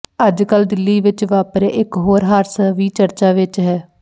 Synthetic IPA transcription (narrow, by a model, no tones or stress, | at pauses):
əd͡ʒkəld̪ɪlːiːʋɪt͡ʃʋaːpɾeʔɪkɦoːɾɦaːɾsəʋiːt͡ʃəɾt͡ʃaːʋɪt͡ʃɦɛː